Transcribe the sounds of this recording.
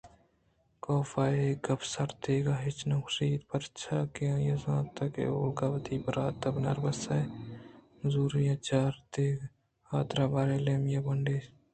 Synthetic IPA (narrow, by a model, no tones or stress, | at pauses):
koːfaːeɡɐbsɐɾd̪eːɡaɦɪt͡ʃnɐksiːt̪pɐɾt͡ʃʰaːkeãːjɐzãːt̪ɐkḛoːlɡaːbɐt̪iːbɐɾaːt̪ɐbnɐ̰ɾbɐsɐ | zuːɾijãt͡ʃaːɾt̪eːɡ | aːt̪ɾaːbaːɾeːleːmjabɐɳɖeː